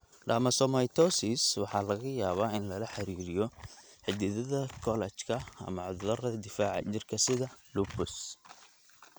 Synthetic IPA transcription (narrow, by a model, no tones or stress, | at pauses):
dɐːmɐsɔmɐjt̪ʰɔsɪswɑħɑːlɐɣɐjaːβaːɪnlɐlɐħɑɾiːɾɪjɔħɪd̪ɪðɐðɐkʰɔlɛt͡ʃkʰɐɐ̰mɐʕʊðɐrɐd̪ɪfaːʕ̰t͡ʃɪrkʰɐsɪðɐlupʊs